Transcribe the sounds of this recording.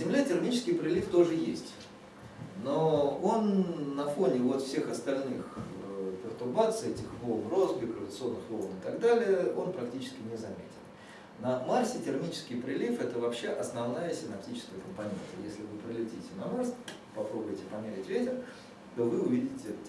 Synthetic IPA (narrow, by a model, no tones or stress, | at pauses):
zʲɪmlʲetʲɪrmʲit͡ɕɪ̥skʲɪjpɾʲɪlʲift̪o̞ʐɨjesʲtʲ | noo̞nːɐfo̞nʲɪvo̞t̪fsʲe̞xɐst̪ɐlʲnɨxpʲɪrt̪ʊrbat̪sɨɛtʲɪxvolˠnro̞sbʲɪkɾʊɾət̪sɨo̞nːɨxvolˠnɨt̪ɐɡd̪alʲɪjəʔo̞npɾɐktʲit͡ɕɪ̥skʲɪnʲɪzɐmʲḛtʲɪlˠ | nɐmarsʲɪtʲɪrmʲit͡ɕɪ̥skʲɪjpɾʲɪlʲifɛt̪əvɐpɕːe̞ʔɐsnɐvnajəsʲɪnɐp̚tʲit͡ɕɪ̥skəjəkəmpɐnʲe̞̰nt̪əjḛsʲlʲɪvɨpɾʲɪlʲɪtʲitʲɪnɐmars | pɐpɾo̞bʊjɪtʲɪpɐmʲeɾʲɪtʲvʲetʲɪr | t̪o̞vɨʊvʲidʲɪtʲɪ